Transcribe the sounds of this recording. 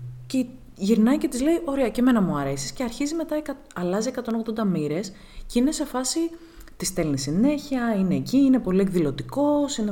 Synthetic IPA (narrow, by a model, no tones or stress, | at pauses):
ce | ʝiɾnɐice̞t̪izle̞iʔo̞ɾeɐce̞me̞nɐmuɐɾe̞si̥sceɐɾçizime̞t̪ɐekɐ | ɐlɐzie̞kɐt̪o̞noɣðod̪ɐmiɾe̞s | ceine̞se̞fɐsi | t̪ist̪e̞lnisine̞çiɐine̞ːciːne̞po̞lie̞kðilo̞t̪iko̞sine